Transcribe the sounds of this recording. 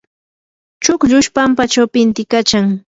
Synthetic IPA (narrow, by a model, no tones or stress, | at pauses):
t͡ʃʊkʎʊʃpampat͡ʃawpɪnt̪ɪkat͡ʃaŋ